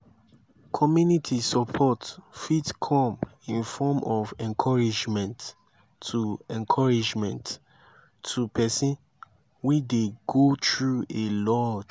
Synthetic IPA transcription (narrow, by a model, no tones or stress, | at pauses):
kʰɔmjunitʰisɔpʰɔtfitkʰɔ̃mĩnfɔmɔvɛ̃nkʰɔɹid͡ʒmɛ̃ntʰː | uɛ̃nkʰɔɹid͡ʒmɛ̃ntʰː | upɛsĩn | wideɡotɹuelɔd͡ʒ